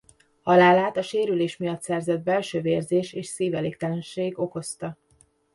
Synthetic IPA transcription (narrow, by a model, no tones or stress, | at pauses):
hɒlaːlaːt̪ɒʃeːɾyleːʃmijɒt̪sɛrzɛd̪̚bɛlʃøːveːrzeːʃeːʃsiːvɛleːk̚t̪ɛlɛnʃeːɡo̞ko̞st̪ɒ